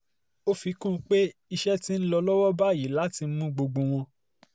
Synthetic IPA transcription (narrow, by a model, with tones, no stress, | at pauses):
o˦fi˨˧˦kũ˦˨˦k͡pe˦i˧ʃɛ˦ti˦n̩˦lɔ˧lɔ˦wɔ˦ba˦˨ji˨˦la˨˦ti˧˦mũ˦ɡ͡bo˧ɡ͡bõ˧w̃ɔ̃˧